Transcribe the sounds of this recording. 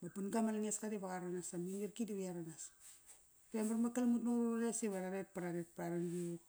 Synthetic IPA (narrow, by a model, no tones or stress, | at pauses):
bapunɡamalaŋeskaɾibaɡaɾanasaminirkidiβiaɾanas | pembarmakalmutnoɾalesiβaɾaɾet̚paɾaɾet̚paɾaɾanɡi